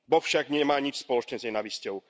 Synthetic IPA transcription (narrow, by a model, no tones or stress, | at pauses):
bɔfʃaɡɲɛmaːɲit͡ʃspɔlɔt͡ʃɲɛzɲɛnaʋiscɔʊ